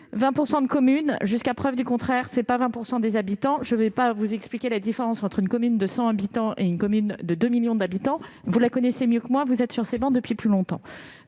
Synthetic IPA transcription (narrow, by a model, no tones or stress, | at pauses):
vɛ̃puʁsɑ̃d̪əkɔmynʒyskapχœvd̪ykɔ̃t̪χɛʁsɛpavɛ̃puʁsɑ̃d̪ezabit̪ɑ̃ʒəvɛpavuzɛksplikʲelad̪ifeʁɑ̃sɑ̃t̪χynkɔmynd̪əsɑ̃abit̪ɑ̃ʔeynkɔmynd̪əd̪ømiljɔ̃d̪abit̪ɑ̃vulakɔnɛsemjøkmwɛ̃vuzɛt̪syʁsebɑ̃d̪əpɥiplylɔ̃t̪ɑ̰̃